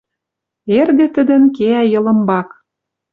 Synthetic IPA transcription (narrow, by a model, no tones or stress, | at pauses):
erɣə̆t̪ə̆d̪ə̆nkeæjɤ̆lə̆mbɑk